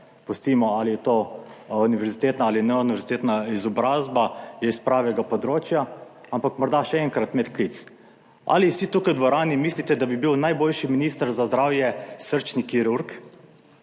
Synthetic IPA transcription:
pust̪iːmɔalijɛt̪ouniʋɛɾzit̪eːt̪naalinɛuniʋɛɾzit̪eːt̪naizɔbɾaːzbajɛispɾaːʋɛɡapɔd̪ɾoːt͡ʃja | ampakmɔɾd̪aʃɛɛŋkɾat̪mɛt̪klit̪s | a̰liwsit̪uːkajd̪ʋɔɾaːnimislit̪ɛd̪abibiwnajboːlʃiminiːst̪əɾzazd̪ɾaːwjɛsəɾt͡ʃnikiɾuɾk

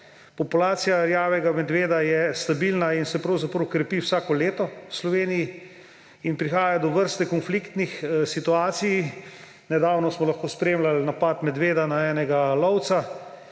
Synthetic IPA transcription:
pɔpulaːt̪sijaɾjaːʋɛɡamɛd̪ʋeːd̪ajɛst̪abilnainsɛpɾɐwzapɾɐwkɾɛpiwsaːkɔleːt̪ɔwslɔʋeːniji | inpɾixaːjad̪ɔʋəɾst̪ɛkɔnflikt̪nixsit̪uaːt̪sij | nɛd̪aːwnɔsmɔlaxkoːspɾemlalnapat̪mɛd̪ʋeːd̪anaɛːnɛɡalɔwt̪sa

